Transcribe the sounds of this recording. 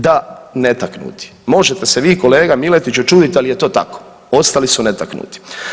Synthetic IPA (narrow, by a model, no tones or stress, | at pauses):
d̪anet̪aknṵt̪i̥mo̞ʒet̪e̞seʋiːko̞le̞ːɡamile̞t̪it͡ɕut͡ʃuːd̪it̪alijet̪o̞ːt̪a̰ko̥ | o̞st̪alisunet̪aknṵt̪i̥